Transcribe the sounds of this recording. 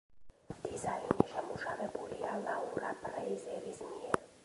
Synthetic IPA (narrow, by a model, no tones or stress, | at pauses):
d̪̥izainiʃɛmuʃavɛbulialauɾapʰʼɾɛizɛɾismiɛɾ